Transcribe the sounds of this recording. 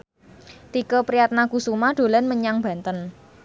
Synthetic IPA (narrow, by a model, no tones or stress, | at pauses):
t̪ikəpɾiat̪̚nakusumaɖ̪̥o̤lanməɲaŋba̤nt̪ən